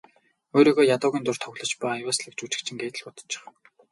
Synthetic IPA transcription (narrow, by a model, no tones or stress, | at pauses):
oːɾiːɣoːjat̪ʊːɣʲiːnt̪ʊr̥t̪ʰɔɣɮɞ̆t͡ɕpæwasɮə̆kt͡ɕut͡ɕɪ̆kt͡ɕʰɪ̆ŋɡeːt̪ɘ̆ɮpʊt̪ə̥̆t͡ɕːɪ̥̆χ